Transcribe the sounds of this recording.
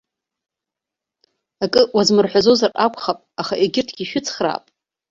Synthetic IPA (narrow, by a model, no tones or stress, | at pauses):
akʼɨwazmɨrħʷᶣazo̞zarʼakʷχapʼaχaʔiɡʲɪrtʰɡʲiʃᶣʊt͡sʰχra̰ːpʼ